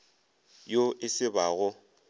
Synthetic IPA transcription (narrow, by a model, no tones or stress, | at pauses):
joʔɪsɪbaɣʊ